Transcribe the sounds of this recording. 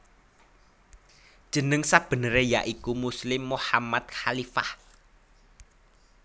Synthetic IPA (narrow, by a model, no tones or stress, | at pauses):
d̥ʒ̥ə̤nəŋsab̥ə̤nəɾeja̰ʔikumuslɪmːuhamat̪̚xalifa̰h